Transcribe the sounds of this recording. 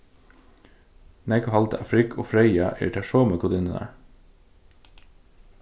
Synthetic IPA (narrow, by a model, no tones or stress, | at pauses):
nɛkʊhɑlt̪ʰəɑfɾɪkʰo̰ːfɾœɪɑʔḭːʈʰæʃoːməkʰʊd̪ɪnənæ̰ɹ